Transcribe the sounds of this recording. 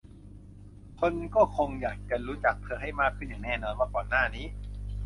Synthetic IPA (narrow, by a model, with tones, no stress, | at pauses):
kʰo˧nkɔː˥˩kʰo˧ŋjaː˨˩k̚t͡ɕa˨˩ɾuː˦˥t͡ɕa˨˩k̚pʰɯ˧˩əɦa˥˩jmaː˧˩pʰɯː˥˩nɯ˨˩ŋnɛː˥˩nɔː˧nwaː˧˩kɔː˨˩nːaː˥˩niː˦˥